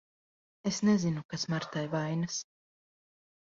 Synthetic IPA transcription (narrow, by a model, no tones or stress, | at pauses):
esnezinukasmaɾt̪ajvajnɨs